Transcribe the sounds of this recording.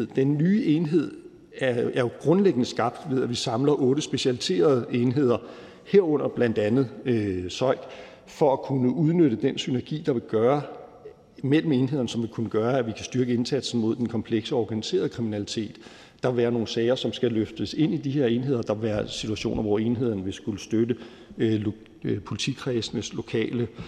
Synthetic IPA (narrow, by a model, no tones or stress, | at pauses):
ð̰ˠd̥enːyːʔe̝ːnɦe̝ð̞̰ˠ | ææɐjo̝ɡ̥ʁɔ̽nleɡ̥ənəsɡ̥ɑ̈b̥̚d̥ʋe̝ð̰ˠæʋisɑ̈mlɐʔɔ̽ːɾ̥əsb̥e̝ɕælit͡sʰe̝̰ːɐð̞ˠeːnɦe̝ð̞̰ˠɐ | heɐ̰ɔ̽n̰ɐb̥læn̰d̥ænð̩ˠsɒ̽ɪ̰ɡ̥ | fɒ̽ækʰunəʔuð̞ˠnøɾ̥əd̥ensynæɐɡ̥ḭːd̥ɑ̈ʋe̝ɡ̥ɶːɐ | mel̰m̩e̝ːnɦe̝ð̞̰ˠɐnəsɒ̽mʋe̝kʰunəɡ̥ɶːɐæʋikʰæsd̥yɐɡ̥əe̝nsæd̥sn̩mo̝ð̞̰ˠd̥enkʰɒ̽mpʰleɡ̥səɒɒɡ̥ænise̝̰ːɐð̞ˠəkʰʁiminælit͡sʰe̝̰ːd̥ː | ɑ̈ʋæːɐno̝ːn̩sɛːɪɐsɒ̽msɡ̥æløfd̥əse̝n̰id̥ihe̝ɐ̰e̝ːnɦe̝ð̞̰ˠɐd̥ɑ̈ʋæːɐsit͡sʰuæɕo̝̰ːnʔɐʋɒe̝ːnɦe̝ð̞̰ˠɐnəʋe̝sɡ̥uləsd̥ødə | pʰo̝lit͡sʰikʰʁɛsnəslo̝kʰɛ̰ːlə